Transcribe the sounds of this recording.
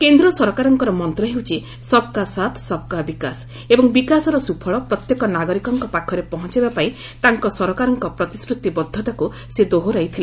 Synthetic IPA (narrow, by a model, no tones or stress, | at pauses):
kend̪ɾɔsɔɾɔkaɾɔŋkɔɾɔmɔnt̪ɾɔɦewt͡ʃʰi | sɔb̚kasat̪ʰsɔb̚kabikas | ebɔŋbikasɔɾɔsupʰɔɭɔpɾɔt̪jekɔnaɡɔɾikɔŋkɔpakʰɔɾepɔɦɔnt͡ʃibapaĩ | t̪aŋkɔsɔɾɔkaɾɔŋkɔpɾɔt̪i̥skɾut̪ibɔd̪ʱːɔt̪aku | sed̪oɦoɾajt̪ʰile